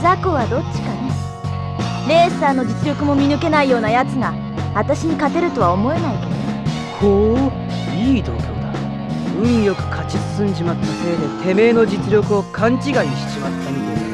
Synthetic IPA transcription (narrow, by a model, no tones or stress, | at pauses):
zakoβad̪o̞t͡ɕːi̥kane | ɾe̞ːsaːno̞d͡ʑit͡sɨɾʲo̞kɯ̟mo̞mʲinɯ̟ke̞naijo̞ːnajat͡sɨɡa | at̪aɕiɲ̟ikat̪e̞ɾɯ̟t̪o̞β̞aomo̞e̞naike̞d̪one | ho | iːd̪o̞ːkʲo̞̰ːd̪a | ɯ̟̃ɰ̃jo̞kɯ̟̥kʰat͡ɕizɨ̥sɨ̃ɲd͡ʑimat̪ːase̞ːd̪e̞t̪ʰe̞me̞ːno̞d͡ʑit͡sɨɾʲo̞kɯ̟o̞kʰãɲt͡ɕiɡaiɕi̥t͡ɕimat̪ʰːemʲid̪eɾɯ